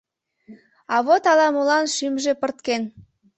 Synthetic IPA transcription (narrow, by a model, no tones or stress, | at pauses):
ɑβot̪ɑlɑmolɑnʃymʒepərt̪ken